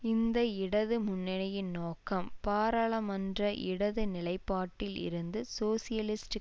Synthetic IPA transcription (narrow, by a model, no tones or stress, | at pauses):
ɪnd̪ɐɪɽɐðɯmʊnːɪnɐjɪnnoːkːɐmpaːɾɐɭɐmɐndrɐʔɪ̰ɽɐðɯnɪlɐɪpːaːʈːɪlɪ̰ɾɯnd̪ɯsoːsɪjɐlɪsʈ